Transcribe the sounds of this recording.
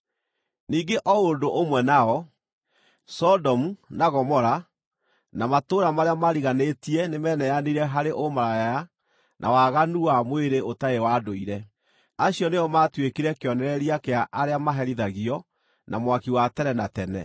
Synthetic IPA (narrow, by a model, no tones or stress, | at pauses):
niːɡeʔɔondoʔomwɛnaɔ | sɔdɔmunaɣɔmɔɾa | namatoɾamaɾeamaɾiɣanetiɛnemɛːnɛjaniɾɛɦaɾeʔomaɾajaja | nʔa̰waɣanuamweɾeotaewaːdoiɾɛ | aɕijɔneɔmatwekiɾɛkeɔnɛɾɛɾiakeaʔaɾeamaɦɛɾiðaɣiɔ | nʔa̰mwakiwatɛɾɛnatɛnɛ̰